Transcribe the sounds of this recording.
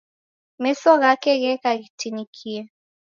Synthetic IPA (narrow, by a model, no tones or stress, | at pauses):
mesɔɣakeɣɛkaɣitinikʰie